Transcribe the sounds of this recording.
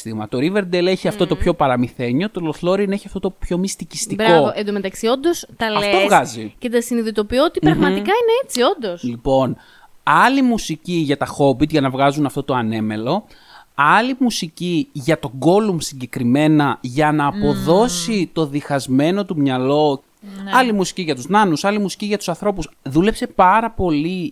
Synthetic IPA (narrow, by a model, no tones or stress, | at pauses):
t̪imɐt̪o̞ɾiveɾd̪ele̞çiɐft̪o̞t̪o̞pço̞pɐɾɐmiθe̞ɲo̞t̪oloθlo̞ɾine̞çiɐft̪o̞t̪opço̞mist̪icistt̪ibɾko̞voʔend̪omet̪ɐksio̞nd̪ost̪ɐlɐfet̪ovɣɐzicet̪ɐsiniðit̪o̞pioot̪ipɾɐɣmɐt̪ikɐineet͡sio̞nd̪oslipo̞n | ɐlimusiciʝɐt̪ɐxo̞bit̪ʝɐnɐvɣɐzunɐft̪o̞t̪o̞ɐne̞me̞lo̞ | ɐlimusiciʝɐt̪o̞ɡo̞lumsiɲɟe̞kɾime̞nɐʝɐnɐːpo̞ðo̞sit̪o̞ðixɐzme̞no̞t̪umɲɐlo̞ | ɐlimusi̥ciʝɐt̪uznɐnusɐlimusi̥ciʝɐt̪u̥sɐnθɾo̞pusðule̞pse̞pɐɾɐpo̞li